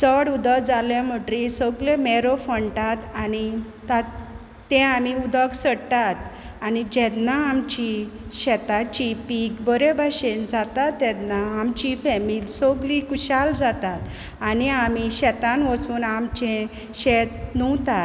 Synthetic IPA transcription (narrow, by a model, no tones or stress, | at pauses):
t͡səɽud̪əkd͡zaljãm̤əʈɾisɔɡlemɛɾofəɳʈat̪ani | t̪aː | ɛ̃am̤iud̪əksəɽt̪at̪ | anid͡ʑɛt̪naamt͡ɕiɕɛt̪at͡ɕipikbəɾebʱaɕend͡zat̪at̪ːɛt̪naːmt͡ɕifɛmiːlsoɡlikuɕald͡zat̪at̪ | aniam̤iɕɛt̪ãnʋət͡suːnamt͡ɕɛ̃ | ɕɛt̪nuwt̪a